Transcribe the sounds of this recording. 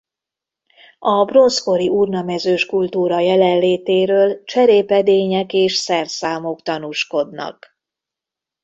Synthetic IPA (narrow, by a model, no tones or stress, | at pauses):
ɒbro̞nsko̞ɾiʔurnɒmɛzøːʃkult̪uːɾɒjɛlɛlleːt̪eːɾøːlt͡ʃɛɾeːpɛd̪eːɲɛkeːʃsɛrsaːmo̞kt̪ɒnuʃko̞d̪nɒ̰k